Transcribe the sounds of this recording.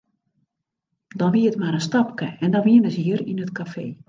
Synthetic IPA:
dɔnʋiətmaɾənstɑp̚kəɛndɔnʋiənəsiəɾinətkafḛː

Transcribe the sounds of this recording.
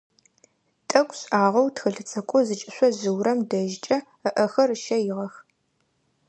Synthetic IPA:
tʼɐkʷʼɕʼaːʁɐwtxɨɬɨt͡sʼʰɐkʷʼɔzɨt͡ʃʼɪɕʷɔzɨwɾɐmdɐʒt͡ʃʼɐ | əʔɐxɐrʃɐjɪʁɐx

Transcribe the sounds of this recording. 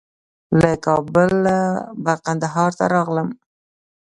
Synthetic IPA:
lakɑbəlabaqand̪aɦɑɾt̪a̰ɾɑɣləm

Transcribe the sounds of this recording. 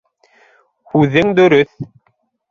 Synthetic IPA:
hʉðɘŋd̪ɵ̆ɾɵθ

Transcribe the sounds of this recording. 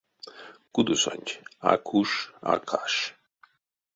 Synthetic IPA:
ɡ̥ud̪usa̰nʲt͡ʃʰakʰuʃa̰kʰaʃ

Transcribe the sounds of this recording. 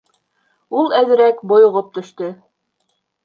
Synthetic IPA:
ulˠæðɘ̆ɾækbŏjŏʁop̚t̪ɵ̆ʃt̪ɵ

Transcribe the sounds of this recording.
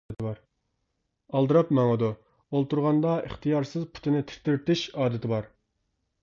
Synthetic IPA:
t̪ɪbɑɾ | ɑlˠd̪ɨɾɑpmɛŋɨd̪u | olˠt̪uɾʁɑnd̪ɑḭχt̪ʰijɑɾsɨzpʰu̥t̪ʰɪnɪt̪ʰɪ̥ɾt̪ɪɾt̪ɪʃɑːd̪ɪt̪ʰɪbɑɾ

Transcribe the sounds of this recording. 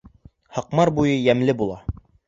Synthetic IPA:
hɑqmɑɾbujɤjæmlɘbulˠɑ

